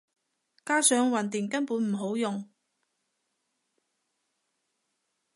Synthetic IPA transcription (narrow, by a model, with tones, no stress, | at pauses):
kaː˥sœː˨˧ŋwɐ˨˩nt̪ɪ˨˩ŋkɐ˥npuː˨˥nm̩˨˩ɦo˨˥wjʊ˨ŋ